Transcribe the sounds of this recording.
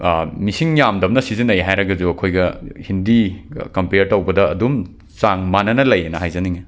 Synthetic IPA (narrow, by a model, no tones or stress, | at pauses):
misiŋjamdɐm̚nɐsizinɐjɦajɾɐɡɐzuɐkʰojɡɐhindikɐmpeɾtɐwbɐdɐɐ̰dum | saŋmanɐnɐlɐjenɐɦajzɐniŋe